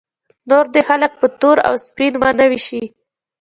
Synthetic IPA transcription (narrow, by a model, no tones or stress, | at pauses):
noɾd̪exalək̚pət̪oɾa̰wspinmɑnawiʃi